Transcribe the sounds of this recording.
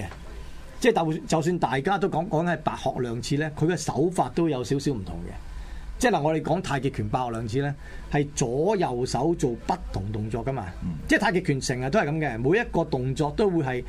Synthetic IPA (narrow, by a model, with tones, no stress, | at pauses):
ɛ˧ | t͡sɛː˥˩tt͡sɐ˨ws̬yː˧nt̪aː˨jkaː˥t̪o˥wkɔː˨˥ŋkɔː˨˥ŋ˥hɐ˨jpaː˧k̚hɔː˨k̚lœː˨˧ŋt͡sʰiː˧lɛː˥kʰɵ˨˧kɛ˧sɐ̰˨˥wfaː˧t̚t̪o˥wjɐ˨˧wsiː˨˥wsiː˨˥wm̩˨˩t̪ʰʊ̰˨˩ŋkɛ̰˧t͡sɛː˥˩laː˨˩ŋɔ˨˧ɾe˨˧jkɔː˨˥ŋt̪ʰaː˧jkiː˨˧t̚kʰyː˨˩npaː˧khɔː˨klœː˨˧ŋt͡sʰiː˧lɛː˥ | hɐ˨jt͡sɔː˨˥jɐ˨˩wsɐ˨˥wt͡so˨wpɐ˥tt̪ʰːʊ˨˩ŋt̪ʊ˨˩ŋt͡sɔː˧kːɐ˥ma̰ː˧t͡sɛː˥˩t̪ʰaː˧kiː˧kʰyː˨˩nsɪ˨˩ŋaː˨t̪o˥ɐ˨kɐ˨˥mkɛ˧mu˨˥jɐ˥t̚kɔː˧t̪ʊ˨ŋt͡sɔː˧k̚t̪o˥wwuː˨˧jɦɐ˨j